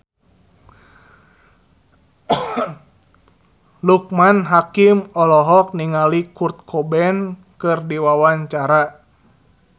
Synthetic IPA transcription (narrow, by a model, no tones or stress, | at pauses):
luk̚manɦakimɔlɔɦɔk̚niŋalikurt̪̚kʰɔbɛn | kɨrdiwawaɲt͡ʃaɾa